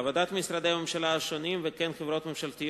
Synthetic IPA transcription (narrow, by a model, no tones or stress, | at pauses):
vod̪at̪misɾad̪ejamemʃalaʃonimvekɛnχevɾo̞t̪memʃalt̪i